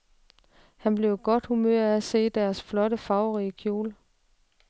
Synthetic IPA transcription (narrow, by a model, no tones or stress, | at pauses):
hænb̥le̝ʊɡ̥ɒ̽d̥humøɐ̰æse̝̰ːd̥æɐsflɒ̽ɾəfɑ̈ʊʁiːəkʰjo̝̰ːl